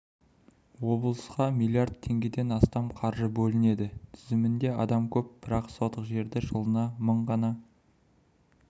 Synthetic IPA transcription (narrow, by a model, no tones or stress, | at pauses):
wo̞blˠəsqɑmijlʲˠjaɾrd̪̚t̪ʰːe̞ŋɡʲe̞d̪e̞nɑst̪ɑmqʰɑɾʒəbɵlɪne̞d̪ɪt̪ʰʏzɪmɪnd̪e̞ɑd̪ɑmkʲʰɵp̚b̥ɪɾɑqsot̪əqʒe̞ɾd̪ɪʒəlˠənɑməɴʁɑnɑ